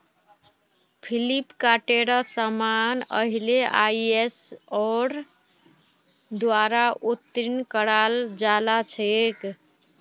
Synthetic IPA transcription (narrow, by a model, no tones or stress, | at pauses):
pʰilipkaʈeɾasamanə̰ɦileʔa̰jesɔɾ | d̪waɾaʔot̪ɾinkəɽald͡ʒalat͡ʃʰek